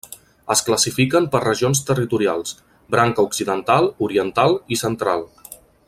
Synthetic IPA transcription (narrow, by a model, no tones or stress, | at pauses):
əskləsifikəmpərəʒionst̪ərit̪uɾialˠs | bɾaŋkəuksiðənt̪alˠuɾiənt̪alˠisənt̪ɾalˠ